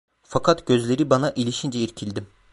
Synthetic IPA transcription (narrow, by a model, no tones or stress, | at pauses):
fakʰat̪ɟ̥ø̞zlʲe̞ɾibanaʔilʲiʃind͡ʒɛiɾcʰilʲd̪im